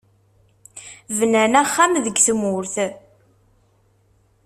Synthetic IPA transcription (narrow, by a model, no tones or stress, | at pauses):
vənænæχːamðəɡθəmʊɾθ